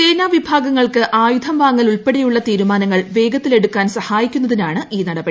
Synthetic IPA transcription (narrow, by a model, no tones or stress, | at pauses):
t͡ɕeːnaːʋibʱaːɡɐŋːɐɭkɨʔaːjud̪ʱɐmʋaːŋːɐluɭpeɽejuɭːɐt̪iːɾumaːnɐŋːɐɭʋe̞ːɡɐt̪ːile̞ɽukːaːnsɐhaːjikʲːunːɐðinaːɳɨʔiːnɐɽɐbɐ